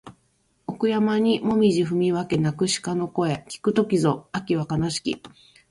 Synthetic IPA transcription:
okɯ̟jamaɲ̟imo̞mʲiʑiɸɯ̟mʲiβake̞nakɯ̟ɕi̥kano̞ko̞e̞kʲi̥kɯ̟t̪o̞kʲizo̞akʲiβakanaɕi̥kʲḭ

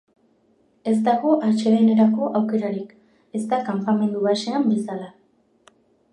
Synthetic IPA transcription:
e̞zt̪aɣo̞ʔaɾt͡ʃe̞ðene̞ɾako̞ʔawke̞ɾaɾik | e̞zt̪akampame̞nd̪uβase̞ambe̞sala

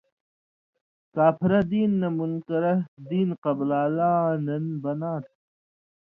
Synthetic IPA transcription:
kaːpiɾɐd̪iːnːɐmunkɐɾɐd̪iːnqɐblaːlaːnɐnbɐnaːt̪̚ʰ

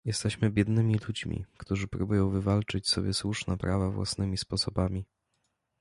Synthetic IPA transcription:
jɛst̪ɛɕmɘbʲjɛd̪nɘmʲilud͡ʑmʲḭkt̪uʐɘpɾubujɔ̃w̃vɘvalt͡ʂɘt͡ɕsɔbʲjɛswuʂnɛpɾavavwa̰snɘmʲispɔsɔbamʲi

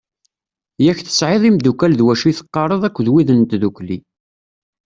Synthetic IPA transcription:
jæçθə̥sʕeðˤimd̪ukælðwæʃiθə̥qːɑɾˤəðˤækʷːðwiðənt̪ðukli

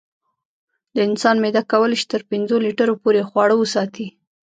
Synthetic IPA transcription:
d̪əɪnsɑnmed̪akːawəlʃi̥t̪əɾpɪnzoliʈəɾopoɾexwɑɽəwəsɑt̪i

